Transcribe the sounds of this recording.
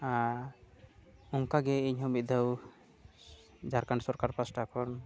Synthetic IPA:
a | ɔŋkaɡɛiɲɦɔmit̪̚d̪ʱəw | d͡ʒaɾkaɳɖsɔɾkaɾpasʈakʰɔn

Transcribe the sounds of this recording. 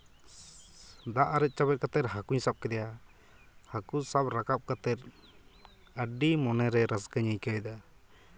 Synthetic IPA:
d̪aʔaɾɛt̪̚t͡ʃabɛt̪̚kat̪ɛɾɦakuɲsap̚kɛd̪ɛja | hakusabɾakap̚kat̪ɛɾ | əɖimɔnɛɾɛɾasɡəɲəjkajd̪a

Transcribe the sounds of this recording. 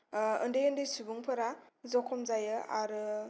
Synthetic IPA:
ɯndɯjɯndɯjsubuŋpʰɯɾazɔkʰɔmzajɯaɾɯ

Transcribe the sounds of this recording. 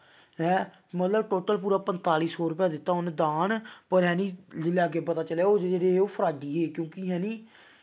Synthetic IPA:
ɦɛ̃ː | mət̪ləbʈoːʈəlp̬uːɾaːpənt̪aːliːsɔːɾʊpjaːd̪ɪt̪ːaːɦʊnd̪aːɳpəɾɦɛ̃ːnĩːlɪljaːɡeːpːət̪aːt͡ʃəleaoːd͡ʒeeːɾeoːpʰəɾaːd̪iːɦeːkjõːkɪɦɛ̃ːniː

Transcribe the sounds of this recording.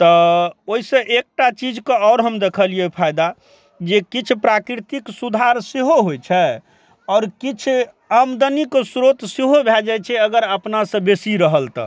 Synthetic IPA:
t̪ɔoisə̃ʔek̚ʈat͡ʃid͡ʒkeɔːɾɦəmd̪ekʰəliɛpʰajd̪a | d͡ʒekit͡ʃʰpɾakɾɾit̪iksud̪ʱaɾseɦoɦojt͡ʃʰɛ | ɔːɾkit͡ʃʰ | amd̪əniksɾot̪seɦobʱɛld͡ʒajt͡ʃʰɛəɡəɾəpnasə̃besiɾəɦəlt̪ə̰

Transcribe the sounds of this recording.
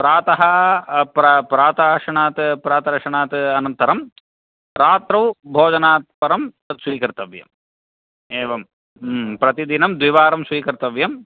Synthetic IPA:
pɾaːt̪ɐɦɐpɾɐpɾaːt̪aːʂɐɳaːt̪pɾaːt̪ɐɾɐʂɐɳaːt̪ɐnɐnt̪ɐɾɐm | ɾaːt̪ɾɐwbʱoːd͡ʒɐnaːt̪̚pɐɾɐm | ɐsʋiːkɐɾt̪ɐʋjɐ̰m | eːʋɐm | pɾɐt̪id̪inɐmd̪ʋiʋaːɾɐmsʋiːkɐɾɪt̪ɐʋjɐm

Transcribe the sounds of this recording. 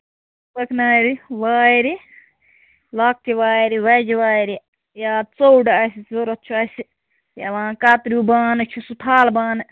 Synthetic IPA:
sɐkʰnaːɾiʋaːjɾi | laːk̚t̪iʋaːjɾiʋɐd͡ʒiʋaːjɾi | jaːt͡sowɖɐsizoɾɐt̪ːt͡ʃʰuɐsi | jɐ̰ʋãːkat̪ɾubaːnɨt͡ʃʰusut̪ʰaːlbaːnɨ

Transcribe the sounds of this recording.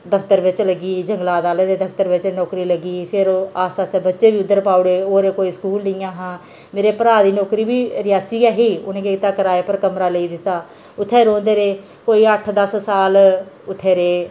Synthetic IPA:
d̪əpʰt̪əɾʋɪt͡ʃləɡiːd͡ʒəŋɡlaːd̪aːleːd̪eːd̪əpʰt̪əɾʋɪt͡ʃnɔːkɾiːləɡiːpʰɪɾoaːsaːsɛːbətːʃeːbiːʊd̪ːəɾpaːʊɽeːoːɾeːkoːiːskuːlnɪjãːɦãː | meːɾeːpəɾaːd̪iːnɔːkɾiːbiːɾɪjaːsiːɛːɦiːʊ̰nẽːkeːɪt̪aːkəɾaːeːpəɾkəmɾaːləiːd̪ɪt̪ːaː | ʊt̪ʰːeːɾõːnd̪eːɾeː | koːiːəʈʰd̪əssaːl | ʊt̪ʰːeːɾeː

